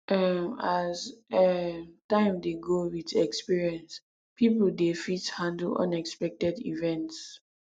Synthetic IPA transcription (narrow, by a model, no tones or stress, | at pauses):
ʔɛmazɛmtãɪ̃mdeɡowitɛkspiɹiɛ̃ns | pipəldefithãndəl̩ɔ̰̃nɛkspɛk̚tɛdḭvɛ̃nts